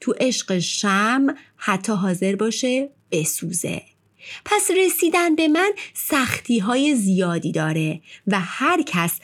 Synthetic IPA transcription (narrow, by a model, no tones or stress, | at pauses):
t̪ʰuʔeʃɢeʃæmhæt̪ʰːɒːɦɒːze̞ɾbɒːʃe̞ | b̥e̞suːzḛ | pʰæsre̞siːd̪ænbe̞mænsæxt̪ʰiːɦɒːje̞zijɒːd̪iːd̪ɒːɾe̞væhæɾcʰæs